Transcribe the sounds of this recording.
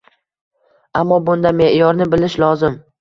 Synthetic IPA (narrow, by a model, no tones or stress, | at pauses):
amːɒbʊnd̪ame̞ʔjɒɾnɪbɪlɪʃlɒzɪm